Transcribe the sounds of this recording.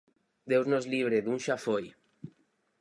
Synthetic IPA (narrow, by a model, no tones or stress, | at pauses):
d̪ewznozliβ̞ɾeðunʃafoj